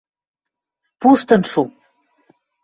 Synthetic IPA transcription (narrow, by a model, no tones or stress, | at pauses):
puʃt̪ə̆nʃu